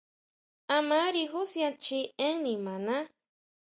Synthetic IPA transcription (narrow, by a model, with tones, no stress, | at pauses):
a˧ma˦ɾi˧ɦusja˧t͡ʃie˦ŋnĩmã˨nã˦